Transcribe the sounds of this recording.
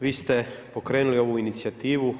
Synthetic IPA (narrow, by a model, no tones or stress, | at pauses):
ʋiːst̪epo̞kɾe̞ːnulio̞ʋuinit̪siat̪iːʋu